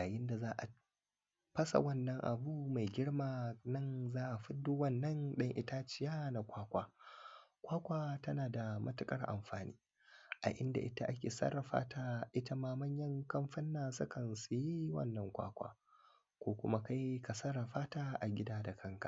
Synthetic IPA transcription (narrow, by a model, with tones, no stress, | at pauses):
jaː˨jɪ˦nda˨zaː˦ʔa̰˨ | ɸɐ˦sa̰˨wɐ˦˨nːɐ˦ŋʔa̰˨buː˦ma˨jɡʲɪ˦ɽmaː˨nɐ˦˨nzaː˦ʔa˨ɸɪ˦dːoː˦wɐ˦˨nːɐ˦ŋɗɐ˦ŋʔɪ̰˦ta˦t͡ʃɪ˦jaː˦na˨kʷaː˦kʷaː˦ | kʷaː˦kʷaː˦tɐ˦naː˨da˨mʔɐ˦tʊ˦kʼɐ˦rʔa̰˨mɸaː˨nḭː˦ | ʔa̰˨ʔɪ˦nda̰˨ʔɪ˦ta˦ʔa˦kʲeː˨sɐ̰˦ɾɐ˨ɸa̰ː˦tʰaː˦ʔɪ˦ta˦maː˦mɐ˦ɲjɐ˦ŋkɐ˦mɸɐ˦nːaː˨sʊ˦kɐ˨nsu˨ji˦wɐ̰˦˨nːɐ˦ŋkʷa̰ː˦kʷa̰ː˨ | kʷoː˦kʷʊ˦ma˦ka˦jka˨sɐ˦ɾɐ˨ɸaː˦taː˦ʔa˨ɡʲɪ˦daː˦da˨kʰɐ˦ŋka̰˨